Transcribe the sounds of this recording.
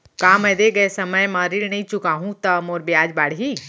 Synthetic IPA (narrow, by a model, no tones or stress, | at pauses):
kaːmɐ̃jd̪eɡɐesɐməjmãɾiɾnɐĩt͡ʃʊkaːɦũt̪ɐmoːɾbjaːd͡ʒbaːɽɦiː